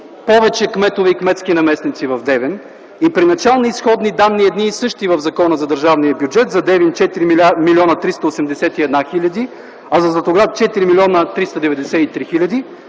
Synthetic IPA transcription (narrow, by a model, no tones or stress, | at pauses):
pɔvɛt͡ʃɛkmɛt̪ovɛikmɛt̪skinɐmɛsnit̪sivɐvd̪ɛvɛn | ipɾinɐt͡ʃalˠniːsxɔd̪nid̪amniɛd̪niːsɤʃt̪ivɐvzɐkɔnəzɐd̪əɾʒavniəbjud͡ʒɛt̪zɐd̪ɛvint͡ʃɛt̪iɾimilʲiɔnət̪ɾist̪ɐosɛmd̪ɛsɛt̪iɛd̪naxilʲɐd̪i | ɐzɐslot̪oɡɾaft͡ʃɛt̪iɾimilʲɔnət̪ɾist̪ɐd̪ɛvɛd̪ɛsɛit̪ɾixilʲɐd̪i